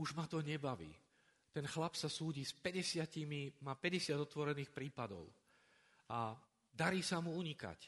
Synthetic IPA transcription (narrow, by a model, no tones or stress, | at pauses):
uʒmat̪ɔɲɛbaʋḭː | t̪ɛnxlapsasuːɟispɛɟɛsɪacimimaːpɛɟɛsɪad̪ɔt̪ʋɔɾɛniːxpɾiːpad̪ɔ̰ʊ | a | d̪aɾiːsamuuɲika̰c